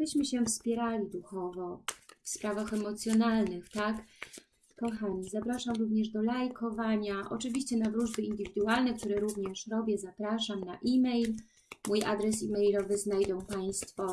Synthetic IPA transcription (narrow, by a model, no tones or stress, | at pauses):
bɘɕmɘɕɛfspʲjɛɾalʲid̪uxɔvɔfspɾavaxɛmɔt̪sʲjɔnalnɘxt̪ak | kɔxaɲizapɾaʂamɾuvɲɛʐd̪ɔlajkɔvaɲaʔɔ̰t͡ʂɘvʲiɕt͡ɕɛnavɾuʐbɘind̪ɘvʲid̪ualnɛk̚t̪uɾɛɾuvɲɛʂɾɔbʲjɛzapɾaʂamnaʔimɛjl | muja̰d̪ɾɛs̬imɛjlɔvɘznajd̪ɔ̃w̃paj̃st̪fɔ